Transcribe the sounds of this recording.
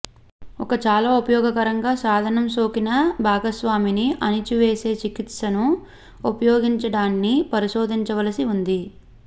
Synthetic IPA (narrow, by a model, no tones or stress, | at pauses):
ɔkɐt͡ʃaːlaːupɐjɔːɡɐkɐɾɐŋɡaːsaːd̪ʱɐnɐmso̞ːkinɐbʱaːɡɐsʋaːminiʔɐnit͡ʃuʋe̞ːse̞ːt͡ʃikit̪ʂɐnu | upɐjoːɡiɲt͡ʃɐɽaːnːipɐɾiʃo̞ːd̪ʱiɲt͡ʃɐʋɐlɐsiund̪i